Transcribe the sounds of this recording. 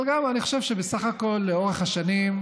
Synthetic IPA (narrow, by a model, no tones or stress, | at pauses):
lɡamaniχoʃe̞vʃebesaχako̞lːeo̞ʁeχhaʃanim